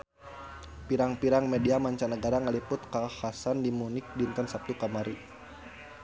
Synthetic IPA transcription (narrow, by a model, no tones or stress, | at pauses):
piɾaŋpiɾaŋmɛdiamaɲt͡ʃanəɡaɾaŋəlipʊt̪̚kahasandimunɪk̚dint̪ɔnsap̚t̪ukamaɾi